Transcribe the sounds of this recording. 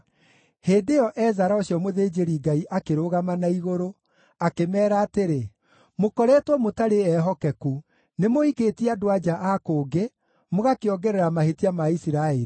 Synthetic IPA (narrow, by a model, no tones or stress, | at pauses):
heːndejɔʔɛzaɾaoɕjɔmoðeːd͡ʒeɾiɡaiʔakeɾoɣamanaiɣoɾo | akemɛːɾaːteɾe | mokɔɾɛtwɔmotaɾeɛːɦɔkɛku | nemoikeːtiadoad͡ʒaʔakoːɡe | moɣakeɔɡɛɾɛɾamahetiamaisiɾaeɾi